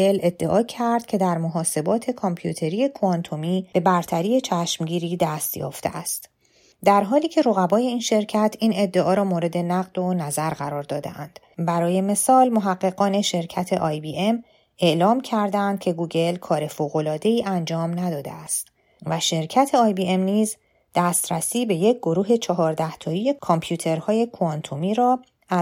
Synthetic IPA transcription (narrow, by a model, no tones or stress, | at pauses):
ele̞d̪̥ːe̞ʔɒːcʰæɾd̪̥cʰe̞d̪æɾmoɦɒːse̞bɒːt̪ʰe̞kʰompʰjṵt̪ʰe̞ɾije̞kʰoɒnt̪ʰomiːb̥e̞bæɾt̪ʰæɾiːe̞t͡ʃʰæʃmɟiːɾiːd̪æst̪jɒ̰ːft̪ḛʔæst̪ | d̪æɾɦɒːliːcʰe̞ɾoɣæbɒːje̞iːnʃe̞ɾcʰæt̪ʰiːne̞d̪ːe̞ʔɒːɾɒːmoːɾe̞d̪e̞næɣd̪o̞næzæɾɣæɾɒːɾd̪ɒːd̪ḛʔænd̪̥ | bæɾɒːje̞me̞sɒːlmoɦæɢːe̞ɣɒːne̞ʃe̞ɾcʰæt̪ʰe̞ʔɒːjbiːʔem | e̞ʔlɒːmcʰæɾd̪æænd̪̥̚cʰe̞ɡuːɟe̞lkʰɒːɾe̞foːɣo̞lɒːd̪e̞iːʔænd͡ʒɒːmnæd̪ɒːd̪eæst̪ | væʃe̞ɾcʰæt̪ʰe̞ɒːjbie̞mniːz | d̪̥æːst̪ɾæsiːbe̞je̞c̚ʰɡ̥o̞ɾuːɦe̞t͡ʃʰɒɦɒːɾd̪æht̪ʰɒːjije̞kʰompʰjuːt̪ʰe̞ɾhɒːje̞kʰoɑnt̪ʰomiːɾɒː | æ